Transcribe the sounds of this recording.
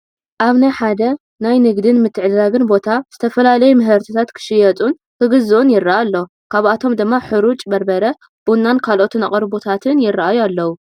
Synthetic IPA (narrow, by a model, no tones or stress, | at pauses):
ʔaβnajħad̪ɐ | najnɨɡd̪ɨnmɨt̪ʰːɨʕɨd̪ɾaɡɨnbo̞t̪ʰaz̥ɨt̪ʰɐfɐlalɐjumɨɦɐɾt̪ʰit̪ʰat̪kʰɨ̥ʃɪjɐt̪ʼun | kʰɨɡɨzuʔunjɪrːaʔalːo | kʰaβat̪ʰo̞md̪ɨmːaħɨɾut͡ʃʼbɐɾbɐɾɐ | b̥unːankʰalʔo̞t̪ʰɨnaqʼɐɾbot̪ʰat̪ʰɨnjɪrːaʔajualːɐwu